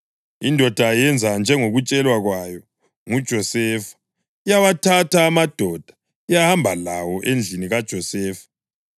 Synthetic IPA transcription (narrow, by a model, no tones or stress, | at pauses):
indʱɔd̥ʱajɛnd͡zʱand͡ʒʱɛŋoɣut͡ʃʼɛlwaɣwajɔ | ŋud̥ʒ̥ʱɔsɛːfḁ | ijawatʰatʰaːmad̥ʱɔd̥ʱḁ | ijahambʱalawɔʔend͡ɮʱiniɣad̥ʒ̥ʱɔsɛːfḁ